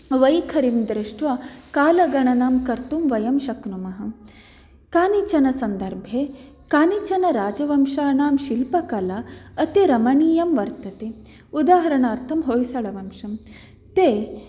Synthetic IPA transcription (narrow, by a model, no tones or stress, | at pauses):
ʋɐjkʰɐɾimd̪ɾɪʃʈʋɐkaːlɐɡɐɳɐnaːmkɐɾt̪umʋɐjɐmʃɐknumɐɦɐ | kaːnit͡ʃɐnɐsɐnd̪ɐɾbʱjeː | kaːnit͡ʃɐnɐɾaːd͡ʒɐʋɐmʃaːnaːmʃilpɐkɐlaɐt̪eɾɐmɐɳiːjɐmʋɐɾt̪ɐt̪e | ud̪aːɦɐɾɐɳaːɾt̪ʰɐmɦoːjsɐɭɐʋɐmʃɐm | t̪eː